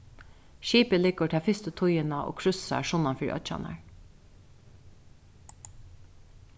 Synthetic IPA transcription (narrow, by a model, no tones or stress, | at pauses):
ʃiːpəlɪːkəʈ̪ʰɑːfɪst̪ət̪ʰʊjənɑʔo̰ːkʰɾʉsɑ̰ʂʊnɑnfɪːɾʔœ̰t͡ʃɑ̰nɑ̰ɹ